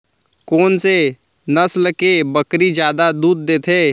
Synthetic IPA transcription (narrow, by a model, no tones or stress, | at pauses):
koːnse | nəslkebəkɾid͡ʒjaːd̪ad̪uːd̪̚ːeːt̪ʰeː